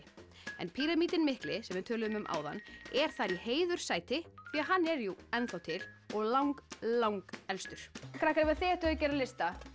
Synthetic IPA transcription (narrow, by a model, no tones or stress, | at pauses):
ɛ̰npʰiɾamiːt̪ɪnmɪhklɪsɛmvɪðt̪ʰœːlʏðʏmʏmʔa̰ːwða̰nːɛɾ̥θaɾiheːjðʏɾ̥saːjt̪ɪθviːaɦanːɛɾjuɛnθawt̪ʰɪlɔɣlawŋklawŋkɛlst̪ʏɾ̥kʰɾahkɾɪvaθeɛht̪aðcɛːɾalɪst̪a